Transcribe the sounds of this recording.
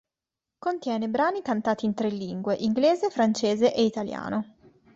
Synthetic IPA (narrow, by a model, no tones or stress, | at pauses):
kont̪jɛːnebɾaːnikant̪aːt̪iːnt̪ɾelːiŋɡweʔiŋɡleːzefɾant͡ʃeːzeʔeit̪alja̰ːno